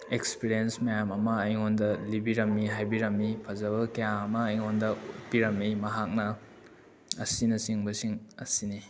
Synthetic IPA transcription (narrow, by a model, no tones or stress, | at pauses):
ekspiɾijensmɐjamɐmɐːjŋondɐlibiɾɐmːiɦajbiɾɐmːipʰɐzɐβɐkɐjaɐmɐːjŋondɐut̚piɾɐmːimɐɦak̚nɐ | ɐ̰sinɐsiŋbɐsiŋɐ̰sini